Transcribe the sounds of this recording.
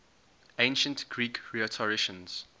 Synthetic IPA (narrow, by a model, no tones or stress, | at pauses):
ẽnʃə̃ntɡ̥ɹiːkɹiətʰɔɹɪʃə̃nz̥